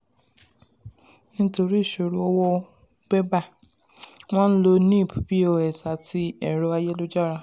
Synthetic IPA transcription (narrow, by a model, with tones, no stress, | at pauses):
nĩ˦to˧ɾi˦˨ʃo˨ɾu˦ɔ˧wɔ˦ | ɡ͡bɛ˦ba˦˨ | w̃ɔ̃˦n̩˦lo˧nĩ˦˨pu˨bi˦o˧˨ɛ˨sa˨ti˧ɛ˨ɾɔ˧a˧jɛ˦lo˦d͡ʒa˦˨ɾa˧